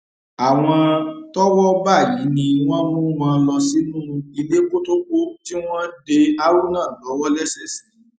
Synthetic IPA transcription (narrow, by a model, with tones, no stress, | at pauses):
a˨w̃ɔ̃˧tɔ˦wɔ˦ba˦˨ji˨˦nĩ˧˦w̃ɔ̃˦mũ˦mãː˨˧lɔ˧si˦nũ˦ũ˧i˧le˦ko˦to˦k͡po˦ti˦w̃ɔ̃˦de˧a˦ɾu˦nãː˦˨lɔ˨˦wɔ˦lɛ˦sɛ˦˨sĩ˨˦